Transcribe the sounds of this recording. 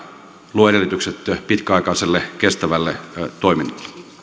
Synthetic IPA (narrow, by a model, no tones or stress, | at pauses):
luoedelːˑit̪ykset̪pit̪kæɑˑikɑˑiselːekest̪æʋælːet̪oiminːɑlːˑe̥lːe̥